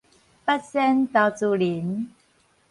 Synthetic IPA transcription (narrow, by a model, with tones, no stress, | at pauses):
pa˦˥t̚sɛ˥nt̪a˧˩t͡su˧˩li˨˦n